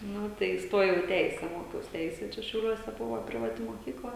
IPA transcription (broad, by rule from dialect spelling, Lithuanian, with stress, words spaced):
ˈnʊ tɐɪ ɪsˈtoːjɛʊ ɪ ˈtʲɛɪsʲɛ ˈmoːkʲɛʊs ˈtʲɛɪsʲɛ ˈt͡ʃʲɛ ʃʲɛʊˈlʲuɔsʲɛ ˈbʊʋoː pʲrʲɪʋɐˈtʲɪ moːˈkʲiːklˠɐ